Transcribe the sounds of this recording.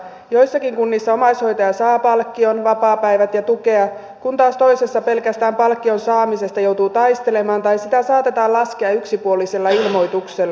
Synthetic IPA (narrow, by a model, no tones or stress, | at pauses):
jo̞jsːɑkiŋkunːisːɑo̞mɑisho̞jt̪ɑjɑsɑːpɑlkːionʋɑpɑːpæiʋæt̪jɑt̪uke̞ɑ | kunt̪ɑːst̪oise̞sːɑpe̞lkæst̪æːmpɑlkːionsɑːmise̞st̪ɑjo̞wt̪uːt̪ɑjst̪e̞le̞mɑːnt̪ɑjsit̪æsɑːt̪e̞t̪ɑːlɑskeɑyksipuolise̞lːɑilmo̞jt̪ukselː